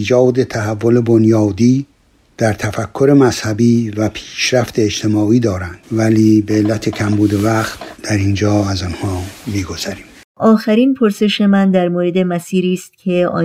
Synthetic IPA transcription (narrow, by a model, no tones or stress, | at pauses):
iːd͡ʒɒːd̪e̞t̪ʰæɦævːolebonjɒːd̪iː | d̪̥æɾt̪ʰæfækʰːo̞ɾe̞mæz̥hæbiːvæpʰi̥ːʃɾæft̪e̞ːd͡ʒt̪ʰe̞mɒːiːd̪ɒːɾænd̪̥væliːbeːlːæt̪ʰe̞cʰæmbuːd̪e̞væxt̪d̪̥æɾind͡ʒɒːæzɒnhɒːmiːɡo̞z̥æɾiːm | ʔɒːxæɾiːnpʰo̞ɾse̞ʃe̞mænd̪æɾmoːɾe̞d̪e̞mæsiːɾiːst̪̚cʰe̞ɒ̰ː